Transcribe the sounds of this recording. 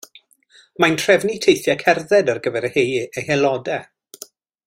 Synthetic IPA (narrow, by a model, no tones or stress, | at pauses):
mantʰr̥ɛvnitʰejθjakʰɛrðɛdərɡəvɛɾəhejəhɛlɔdɛ